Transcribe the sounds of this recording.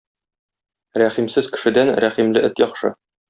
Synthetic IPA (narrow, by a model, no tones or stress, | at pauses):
ɾæχimsɘz̥kɘ̥̆ʃɘ̆d̪ænɾæχimlɘʔɘt̪jɒχʃɤ̰